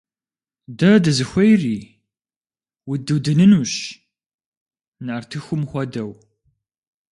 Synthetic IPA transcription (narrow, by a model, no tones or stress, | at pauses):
dɐdɨzɨxʷɐjriː | widɨwdɨnɨnuɕ | nʕartʰɨxʷʊmxʷɐdɐw